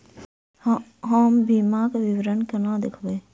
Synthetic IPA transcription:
ɦəmbiːmãːkʋɪʋɾənkənãːd̪ɪkʰbeː

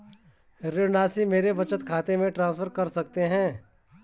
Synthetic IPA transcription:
ɾenaːsimeːɾeʋɐt͡ʃət̪kʰaːt̪emẽʈɾãːsfʰəɾkɐɾsɐk̚t̪eɦɛ̃ː

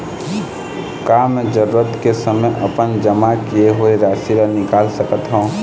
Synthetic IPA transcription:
kaːmɛ̃d͡ʒəɾuːɾət̪kesəməjʔɐpənd͡ʒəmakieɦoeɾaːsiɾanɪkaːlsəkət̪ɦoũ

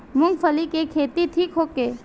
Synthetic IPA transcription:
mʊ̃ŋɡpʰəlikekʰeːt̪it̪ʰiːkɦoːkeː

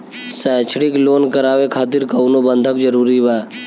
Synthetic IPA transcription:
sɛ̃ːt͡ʃʰɽɪkloːnkəɾaːʋekʰaːt̪ɪɾkəʊnobə̃nd̪ʱəkd͡ʒəɾuːɾibaː

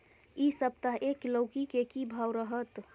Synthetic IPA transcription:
isəb̚t̪aɦekləʊkikekibʱawɾəɦət̪

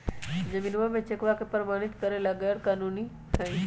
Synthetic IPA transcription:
d͡ʒɐmiːnʋamẽt͡ʃekʋakepəɾəmaːɽ̃ɪt̪kəɾelaɡɛɽkaːnuːni | t̪ʰɐi

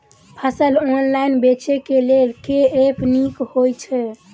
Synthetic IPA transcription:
pʰəsəlonlajnbet͡ʃʰekelelkeepʰnikhojt͡ʃʰɛ

